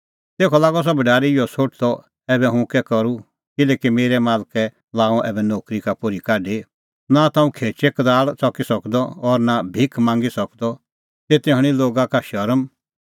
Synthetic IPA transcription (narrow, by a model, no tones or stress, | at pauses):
t̪eːkʰɔlaːɡɔs̬ɔbʱɐɖaːɾiɪjɔsʰoːʈ̚ʰt̪ɔ | ɛːbɛɦʊ̃kɛkɐɾu | kɪlɛːkimeːɾɛmaːlkɛ | laːɔ̃ʔɛ̰ːbɛnoːkɾikapʊɾikaːɖe | nat̪ãːũkʰeːt͡ʃɛkɐd̪aːɭt͡sɔkisɐkd̪ɔɔɾnabʱɪkʰmãːŋɡisɐkd̪ɔ | tet̪ẽɦəɽ̃iloːɡakaʃɐɾm